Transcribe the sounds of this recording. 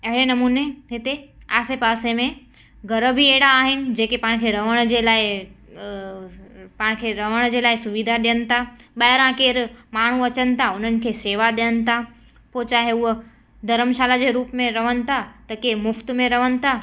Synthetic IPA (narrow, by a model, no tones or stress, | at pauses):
ɐɦɪɽenɐmuːneɦɪt̪eaːsepaːsemẽ | ɡʱɐɾəbʱieːɽaːɦɪnɪ̆d͡ʑeːkepaːɪɽ̃kʰeːɾɐʋəɽ̃d͡ʑeːlaːɪ | paɽ̃kʰeɾɐʋəɽ̃d͡ʑeːlaːɪsʊʋid̪ʱaɗijənɪ̆t̪ʰaɓɐɦɪɾãkeːɾmaːɳ̤uɐt͡ɕənɪ̆t̪ʰaʊn̤ənɪ̆kʰeːseːʋaɗijənɪ̆t̪ʰa | poːt͡ɕaːɦeʊɦ | d̪ʱɐɾəmʃaːlad͡ʑeːɾuːpmẽɾɐʋənɪ̆t̪ʰat̪ɐkemʊft̪mẽɾɐʋənɪ̆t̪ʰa